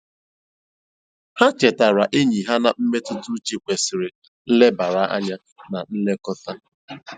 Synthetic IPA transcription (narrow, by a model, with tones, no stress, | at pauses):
ha˦t͡ʃe˨ta˨ɾa˨ʔe˦ɲi˨ɦa˦na˨m̩˦me˦tʊ˦du˦t͡ʃi˨kʷe˨sɪ˨ɾɪ˨ | n̩˦le˦ba˨ɾa˨˦ʔa̰˦ɲa˦ | na˨n̩˦le˦kɔ˦ta˦